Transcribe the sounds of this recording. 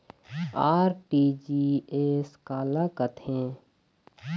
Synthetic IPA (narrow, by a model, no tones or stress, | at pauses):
aːɾʈiːd͡ʒiːeːskaːlakət̪ʰẽː